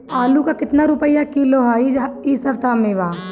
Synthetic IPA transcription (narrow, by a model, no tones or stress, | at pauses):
aːlukakɪt̪naɾupəjakiloɦaiiːsɐɾt̪amẽʋaː